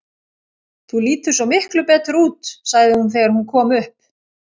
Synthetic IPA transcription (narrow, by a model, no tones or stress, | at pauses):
θuliːt̪ʏ̥sɔmɪhklʏpɛːt̪ɾuːt̪saɣðɪhunθɛːɣaɾ̥hunkʰɔːmʏhp̚